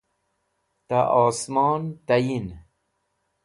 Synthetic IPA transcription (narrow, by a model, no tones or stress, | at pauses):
t̪aʔɔːsmɑːnt̪ajin